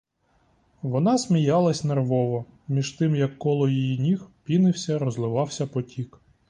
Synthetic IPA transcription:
ʋɔnɑsmʲijɑlˠɐsʲnerʋɔʋɔ | mʲiʒt̪ɪmjɐkːɔlˠɔjijinʲixpʲinɪwsʲɐɾɔzlˠɪʋɑwsʲɐpɔtʲik

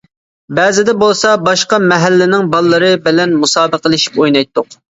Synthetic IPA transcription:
bɛːzɪd̪ɛbolˠsɑbɑʃqɑmɛɦælːɪnɪŋbɑlˠːɨɾɨbɪlɛnmusɑːbəqəlˠɨʃi̥pojnɑjt̪ʰːʊq

